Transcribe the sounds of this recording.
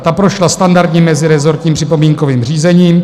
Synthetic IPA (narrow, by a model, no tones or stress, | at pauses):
t̪apɾoʃlast̪andaɾd̪ɲɛmɛzɪɾɛzo̞ɾt̪ɲiːmpr̝̥ɪpo̞miːŋkoviːmr̝iːzɛɲiːm